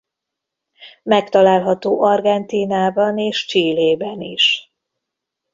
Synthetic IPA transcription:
mɛkt̪ɒlaːlɦɒt̪oːʔɒrɡɛnt̪iːnaːbɒneːʃt͡ʃiːleːbɛniʃ

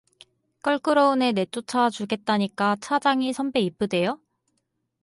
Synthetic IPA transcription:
k͈ʌɭk͈ɯɾoune̞ne̞t͈ot͡ɕʰat͡ɕuɡe̞t̚t͈aɲik͈at͡ɕʰad͡ʑaŋisʰʌmbe̞ip͈̚ɯde̞jo

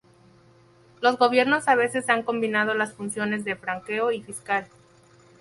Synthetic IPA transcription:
lo̞zɣo̞βje̞ɾno̞saβe̞se̞saŋko̞mbinað̞o̞lasfunsjo̞ne̞zðe̞fɾaŋke̞oifiskal

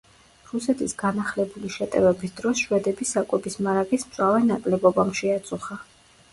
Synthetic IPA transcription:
ɾusɛt̪ʰisɡanaχlɛbuliʃɛt̪ʼɛvɛbisd̪ɾɔsʃwɛd̪ɛbisakʼwɛbismaɾaɡismt̪sʼwavɛnakʼlɛbɔbamʃɛat̪sʼuχa

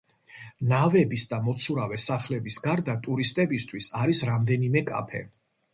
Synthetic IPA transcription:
navɛbisd̪amɔt̪sʰuɾavɛsaχlɛbisɡaɾd̪at̪ʼuɾist̪ʼɛbist̪ʰwisaɾisɾamd̪ɛnimɛkʼa̰pʰɛ̰

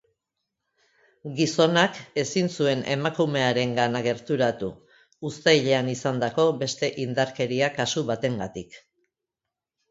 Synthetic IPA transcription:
ɡiso̞nake̞sinsue̞nʔe̞̰makume̞aɾe̞ŋɡanaɣe̞ɾt̪uɾat̪uː | st̪ajʎe̞anisand̪ako̞be̞st̪e̞ʔind̪aɾke̞ɾiakasuβat̪e̞ŋɡat̪ik

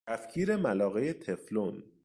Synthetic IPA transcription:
æfcʰiːɾe̞mælɒːɣe̞jet̪ʰe̞flon

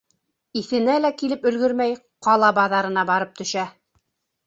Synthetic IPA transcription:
iθɘ̆nælækilɘpɵ̆lɡɵɾmæj | qɑlˠɑbɑðɑɾɤ̆nɑbɑɾɤp̚t̪ɵ̆ʃæ

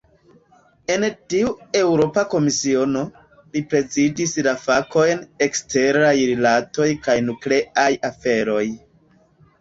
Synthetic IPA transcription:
e̞ntiue̞wɾo̞pako̞misio̞no̞ | lipɾe̞zidislafako̞jne̞kste̞ɾajɾilato̞jkajnukle̞ajafe̞ɾo̞j

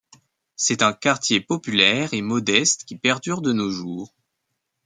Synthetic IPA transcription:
sɛt̪ɛ̃kaʁt̪jepɔpylɛʁemɔd̪ɛst̪kʲipɛʁd̪yʁd̪ənoʒuːʁ

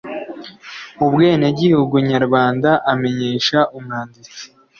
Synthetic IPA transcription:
ubɡe̞ːneɟihuɡuɲaɾɡaːndaʔame̞ɲeːʃaʔumhaːndit͡si̥

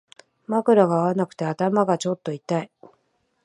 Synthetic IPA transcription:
makɯ̟ɾaɡaːβanakɯ̟̥t̪e̞at̪amaɡat͡ɕo̞t̪ːo̞it̪ai

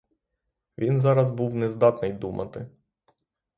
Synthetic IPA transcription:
ʋʲinzɑɾɐzbuwnɛzd̪ɑt̪nɪjd̪umʔɐ̰t̪ɪ

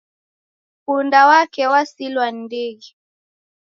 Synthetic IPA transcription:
kundawakɛwasilwandiɣi

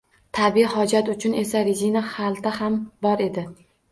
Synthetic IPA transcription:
t̪ʰabɪhɒd͡ʒat̪ʊt͡ʃʰʊne̞saɾɪzinahalˠt̪ʰahambɒɾe̞d̪ɪ

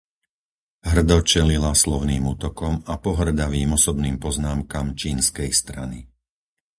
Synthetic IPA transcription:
ɦr̩d̪ɔt͡ʃɛlilaslɔʊniːmuːt̪ɔkɔmapɔɦr̩d̪aʋiːmɔsɔbniːmpɔznaːmkamt͡ʃiːnskɛjst̪ɾani

